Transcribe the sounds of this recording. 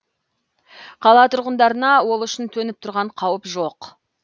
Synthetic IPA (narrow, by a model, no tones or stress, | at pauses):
qʰɑlˠɑt̪ʰʊɾʁənd̪ɑɾənɑwo̞lˠʏʃɪnt̪ʰɵnɪp̚t̪ʰʊɾʁɑɴqʰɑwəpʒo̞q